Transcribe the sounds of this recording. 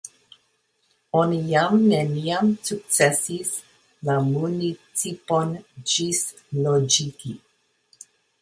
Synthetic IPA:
onijamneniamsuk̚t͡sesis | lamunit͡sipond͡ʒis | lod͡ʒiki

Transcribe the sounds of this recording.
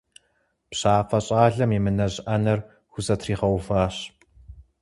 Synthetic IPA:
pɕaːfɐɕʼaːɮɐmimɨnɐʑʔɐnɐr | xʷʊzɐtʰriːʁɐwfaːɕ

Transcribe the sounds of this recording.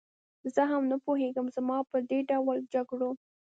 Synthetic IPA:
zəɦamnapoɦeɡəmzamɑpəd̪eɖawəld͡ʒaɡɽo

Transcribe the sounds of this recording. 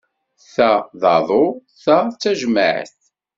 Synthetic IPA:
θæðˤɑðˤoθæt͡sːæʒməʕ̰θ

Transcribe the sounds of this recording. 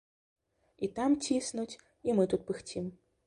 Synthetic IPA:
it̪amt͡sʲisnut͡sʲ | imɨt̪ut̪̚pɨxt͡sʲim

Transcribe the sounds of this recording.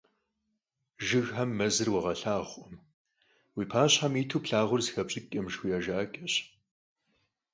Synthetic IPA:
ʒɨɣħɐmːɐzɨrwɐʁɐɬaːʁʷʼɔm | wiːpʰaːɕħamiːtʰuːpɬaːʁʷʊrzxɐpɕʼɪkʼɐmʒxʷujaːʒaːkʲʼɐɕ

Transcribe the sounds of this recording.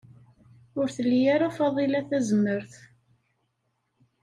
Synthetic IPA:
ʊɾθəlːjaɾafɑðˤilæθæzəmːəɾθ

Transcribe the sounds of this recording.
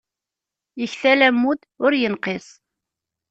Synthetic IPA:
əçθælæmːud̪ | ʊɾjənqɪsˤ

